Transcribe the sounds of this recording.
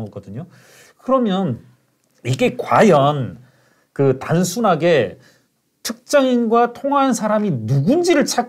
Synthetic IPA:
ŋɡʌk͈ʌdɯɲo | kɯɾʌmjʌn | iɡe̞kwajʌn | kɯtansʰunɦaɡe̞ | tʰɯk̚t͡ɕ͈ʌŋinɡwatʰoŋɦansʰaɾaminuɡund͡ʑiɾɯɭt͡ɕʰa

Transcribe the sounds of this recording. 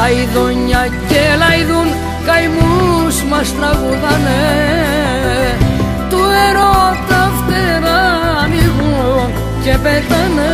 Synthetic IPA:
ajðoɲa | kelajðun | kajmusmast̪ɾaɣuðane | t̪ueɾot̪aft̪eɾamiɣu | kepet̪an

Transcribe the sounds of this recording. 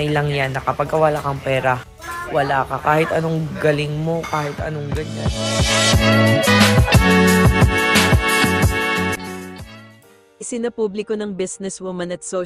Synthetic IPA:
ɐjlɐŋjanːɐkɐpɐɡ̚kɐwɐlaːkɐŋpɛːɾɐ | wɐlaːkɐkaːhɪt̪ɐnoŋɡɐlɪŋmo̞kaːhɪt̪ʔɐ̰noŋɡɐɲan | ʔɪsɪnɐpublɪkonɐŋbisnɛswumɐnɐt̪so

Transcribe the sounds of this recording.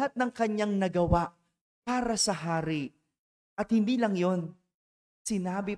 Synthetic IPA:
at̪̚nɐŋkɐɲːaŋnɐɡɐwaʔ | paːɾɐsɐɦaːɾɪ | ʔɐt̪̚hɪnd̪iːlɐŋjo̞n | sɪnaːbɪ

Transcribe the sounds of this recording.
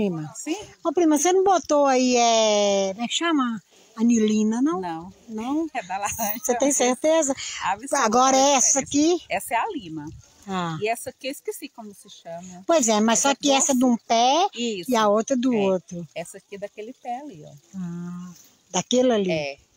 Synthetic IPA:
pɾĩmɐsĩɐpɾĩmɐsenɐ̃bot̪oaiɛomɛkʃɐ̃mɐ | ɐnilĩnɐnɐ̃w̃nɐ̃w̃nɐ̃w̃ɛaset̪ẽj̃seɾt̪ezɐavaɡɔɾɐɛsɐkɪɛsɐɛalĩnɐ | aiɛsɐkeiskesikõmʊsɪʃɐ̃mɐpojzɛmɐssɔkɪɛsɐd̪ũpɛisɪaowt̪ɾɐd̪ʊot̪ɾʊɛsɐkɪd̪ɐkelɪpɛaliɔ̰a | d̪akelɐliɛ

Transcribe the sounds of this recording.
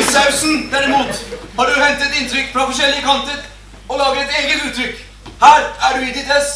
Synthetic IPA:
t̪aʉsn̩d̪æɾɪmuːt̪hɑɖʉɦɛnt̪ɛt̪ɪnt̪ʰɾʏkːfɾɑfɔʂ̬ɛlːəkʰɑnt̪ət̪ | ɔlɑːɡəɾɛt̪eːɡət̪ʉːt̪ʰːɾʏkː | hæːɾæɖʉɪd̪ɪt̪ɾɛs

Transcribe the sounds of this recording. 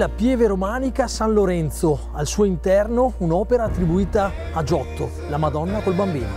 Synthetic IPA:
lapjɛːveɾomaːnikasanloɾɛnt̪so | alsuːoint̪ɛrnounɔːpeɾaːt̪ːɾibuiːt̪aː | d͡ʒɔt̪ːo̰ | lamad̪ɔnːakolbambiːno

